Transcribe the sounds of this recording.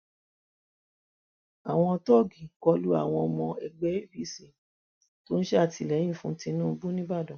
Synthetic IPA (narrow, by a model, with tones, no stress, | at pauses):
a˨w̃ɔ̃˧tɔ˦˨ɡi˨kɔ˧˦lu˦a̰˦˨w̃ɔ̃˧mɔ̃˧ɛ˨ɡ͡bɛ˦e˦˨bi˦˨si˦˨ | to˦n̩˦ʃe˦a˦˨ti˧˨lɛ˨˦j̃ĩ˦˨fũ˦tĩ˧nũː˦˧bu˦nĩ˦ba˦˨dɔ̃˨